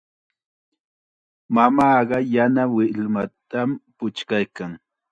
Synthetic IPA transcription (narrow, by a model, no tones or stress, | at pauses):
mamɑːɢɑjanawɪlmat̪ampʊt͡ʃkajkaŋ